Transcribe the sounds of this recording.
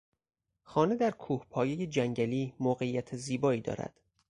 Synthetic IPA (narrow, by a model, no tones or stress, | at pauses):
xɒːne̞d̪æɾkʰuːhpʰɒːjeje̞d͡ʒæŋɟæliːmoːɣe̞jːæt̪ʰeziːbɒːiːd̪ɒ̰ːɾæ̰d̪̥